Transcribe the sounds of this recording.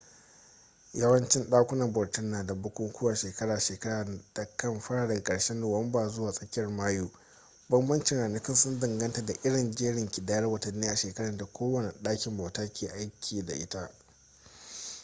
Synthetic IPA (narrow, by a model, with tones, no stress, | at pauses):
jɐ˦wɐ˦nt͡ʃɪ˦nɗaː˦kʷʊ˦nɐ˨mbɐ˨rtʊ˦nːaː˨da˨bʊ˦kʷʊ˦ŋkʷʊ˦waː˨ʃeː˨kɐ˦ɽaː˨ʃeː˨kɐ˦ɽaː˨d̥a˨kɐ˦mɸɐ˦ɽaː˨dɐ˨ɡkʼɐ˨ɽʃe˦nːʊ˨wɐ˦mbaː˨zʊ˦waː˨sʼɐ˦kʲɪ˦jɐ˨rmaː˦juː˨ | bɐ˦mbɐ˦nt͡ʃɪ˨ŋʔaː˨nɐ˦kʲɪ˦nsʊ˦ndɪ˨ŋɡɐ˦nta˨da˨ʔɪ˦ɽɪ˨nd͡ʒeː˦ɽɪ˨ŋkʲiɪ˨daː˦jɐ˦rwɐ˨tɐ˨nːiː˦ʔa˨ʃeː˨kɐ˦ɽɐ˨da˨kʷoː˦wɐ˨ne˨ʔɗaː˦kʲɪ˨mbaː˨wtaː˦kʲeː˨ʔa˦jkʲʰiː˨da̰˨ʔɪ˦ta˦ʔ